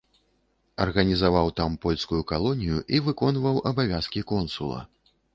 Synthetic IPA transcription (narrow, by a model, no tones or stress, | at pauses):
ɐrɣɐnʲizavawt̪ampɔlʲskujukalˠɔnʲijuʔivɨkɔnvɐwʔɐbavʲaskʲikɔnsulˠɐ̰